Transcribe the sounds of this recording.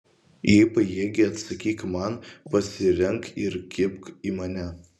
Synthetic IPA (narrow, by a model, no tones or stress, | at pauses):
jipɐjiɛɡʲɪɐt̪sɐkʲiːkmɐnpɐsʲɪɾʲɛŋkɪɾkʲɪpkiːmɐnʲɛ